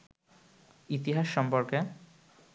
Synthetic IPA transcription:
it̪iɦaʃːɔmpoɾke

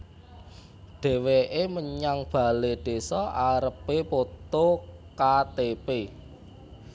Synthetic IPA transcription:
ɖ̪̥e̤weʔeməɲaŋb̥a̤leɖ̪̥e̤sɔaɾəpepot̪okat̪epe

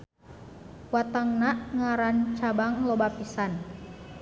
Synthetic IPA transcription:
wat̪aŋnaʔŋaɾant͡ʃabaŋlɔbapisan

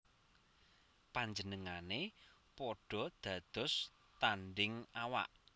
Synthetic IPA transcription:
paɲd͡ʒənəŋane | pɔɖ̥ɔ̤d̪̥ä̤d̪̥ʊ̤s | t̪anɖɪŋawa̰ʔ

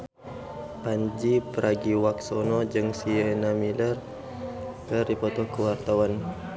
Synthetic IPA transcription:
paɲd͡ʒipəɾaɡiwaksɔnɔd͡ʒəŋsiɛnamilər | kəripɔt̪ɔkəwart̪awan

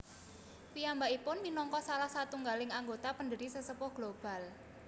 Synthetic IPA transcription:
piambaipʊnminɔŋkɔsalahsat̪uŋɡalɪŋaŋɡot̪apənd̪əɾisəsəpʊhɡ̥lob̥a̤l

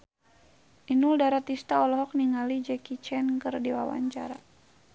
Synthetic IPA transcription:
ʔinuldaɾat̪ist̪aɔlɔɦɔk̚niŋalid͡ʒɛkit͡ʃɛnkɨrdiwawa̰ɲt͡ʃa̰ɾa

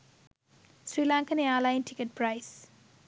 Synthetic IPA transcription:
sɾiːlãːŋkɐneaːlajnʈikeʈ̚pɾajs

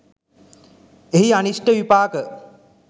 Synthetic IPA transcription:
eɦianiʂʈəʋipaːkə

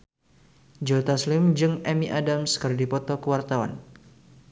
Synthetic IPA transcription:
d͡ʒot̪aslɪmd͡ʒɨŋɛmiʔadamskɨrdipɔt̪ɔkəwart̪awa̰n

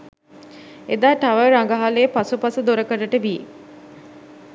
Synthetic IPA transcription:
ed̪aːʈaʋəɾaŋɡaɦalepasupasəd̪oɾəkəɾəʈəʋi

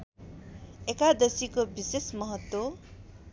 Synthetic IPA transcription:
ekad̪ʌsikobisesmʌɦʌt̪wo

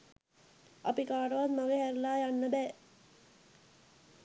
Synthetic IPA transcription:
ɐ̰pikaːʈəʋat̪maɡeɦæɾlaːjanːəbɛː

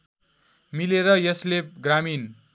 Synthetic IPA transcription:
mileɾʌjʌsleɡramin

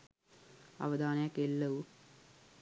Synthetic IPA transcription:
ɐ̰ʋɐd̪aːnɐjɐkːelːɐʋu

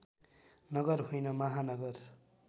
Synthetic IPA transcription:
nʌɡʌrɦujnʌmʌɦanʌɡʌr

